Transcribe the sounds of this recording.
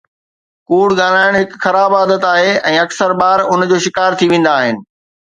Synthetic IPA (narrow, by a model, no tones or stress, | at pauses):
kuːɽɠaːlaːɪɽ̃ɦɪkxɐɾaːbaːd̪ət̪aːɦeɛ̃ːɐksəɾbaːɾʊnd͡ʑoːʃɪkaːɾt̪ʰiʋẽːn̆d̪aːɦɪnɪ̆